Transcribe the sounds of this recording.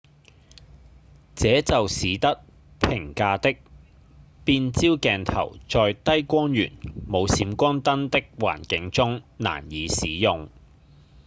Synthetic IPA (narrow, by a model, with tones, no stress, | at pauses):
t͡sɛː˨˥t͡sɐ˨wsiː˨˧˥t̪ɐ˥t̚ | pʰɪ˨˩ŋkaː˧t̪ɪ˥k̚ | piː˧nt͡siː˥wkɛː˨nt̪ʰɐ̰˨˩wt͡sɔː˨jt̪ɐ˥jkʷɔː˥njy̰ː˨˩nmo˨˧wsiː˨˧mkʷɔː˥nt̪ɐ˥nt̪ɪ˥k̚wa̰ː˨˩nkɪ˨˥ŋt͡sʊ˥ŋna̰ː˨˩njiː˨˧siː˨˥jʊ˨ŋ